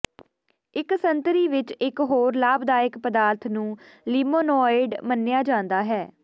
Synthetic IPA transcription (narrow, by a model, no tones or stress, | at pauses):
ɪksənt̪ɾiːʋɪt͡ʃɪkɦoːɾlaːbd̪aːɪkpəd̪aːɾt̪ʰnũːliːmoːnoːɪɖmənːɪjaːd͡ʒãːnd̪aːɦɛː